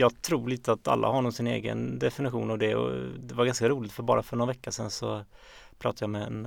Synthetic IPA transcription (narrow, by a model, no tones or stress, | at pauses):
jɑːɡt̪ʰɾuːliːt̪əat̪a̰lːʔa̰haɾɳːɔmsɪnḛːɡə̰nd̪ɛfɪnɪɧṵːnavd̪ɛɔ̰d̪ɛvaɾɡanskaɾuːlɪɡt̪fœɾbɑ̰ːɾafœɳɔnvɛkːaʂɛnsɔ | pʰɾɑ̰ːt̪ajamɛɛn